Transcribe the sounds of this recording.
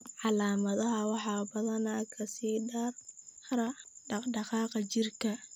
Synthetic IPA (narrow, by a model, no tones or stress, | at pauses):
ʕɑlaːmɐðɐɦɐwɑħɑːbɐðɐnakʰɐsiːɖaːrɾɐɖɑqɖɑqɑːqɐt͡ʃɪrkʰɐ